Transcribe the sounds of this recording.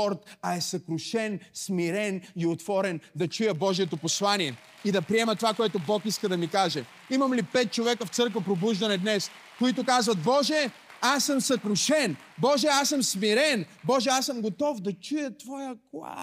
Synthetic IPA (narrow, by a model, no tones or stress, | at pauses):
ɔɾt̪ɐɛsɐkɾʊʃɛnsmiɾɛniot̪vɔɾɛnd̪ɐt͡ʃujəbɔʒijɛt̪oposlˠaniɛ | id̪ɐpɾiɛmət̪ovakoɛt̪obɔkiskəd̪ɐmikaʒɛ | imɐmlipɛt̪̚t͡ʃovɛkəft̪sɤɾkvɐpɾobuʒd̪ɐnɛd̪nɛs | koit̪ʊkazvɐt̪̚bɔʒɛ | asːəmsɐkɾʊʃɛn | bɔʒɛasəmsmiɾɛnbɔʒɛasəmɡot̪ɔfd̪ɐt͡ʃujət̪vɔjəklˠa̰